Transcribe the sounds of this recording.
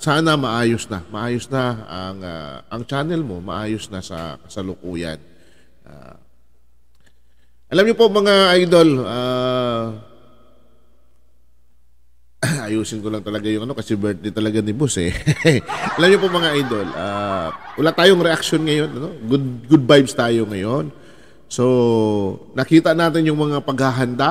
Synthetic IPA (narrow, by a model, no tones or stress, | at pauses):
saːnɐmɐʔaːjosnɐmɐʔaːjosnɐɐŋa̰ʔɐŋt͡ʃaːnɛlmo̞mɐ̰ʔaːjo̞snɐsɐ̰kɐsɐlʊkuːjɐ̰n | ʔa̰ | ʔɐlamɲopomɐŋaʔajd̪o̞la | ʔɐjuːsɪnkolɐŋt̪ɐlɐɡajʊŋʔɐno̞kɐsɛbɛɹt̪ɪt̪ɐlɐɡanɪbosɛ̰ | ʔɐlamɲopomɐŋaʔajd̪o̞lʔa̰wɐlaːt̪aːjoŋɾɛʔɐk̚ʃonŋɐjo̞nɐno̞ɡʊd̪ɡʊd̪̚bajbst̪aːjo̞ŋɐjo̞n | so̞ | nɐkiːt̪ɐnaːt̪ɪnjʊŋmɐŋapɐɡ̚haɦɐnd̪a